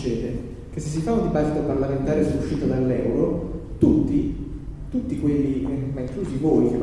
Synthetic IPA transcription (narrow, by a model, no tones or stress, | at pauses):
t͡ʃːɛːd̪e | k̟esːes̬ːifaund̪ibat̪ːit̪oparlament̪aːɾesɔuʃːiːt̪od̪alːɛwɾot̪ut̪ːi | t̪ut̪ːikwelːimaiŋkluːzivoːik̟e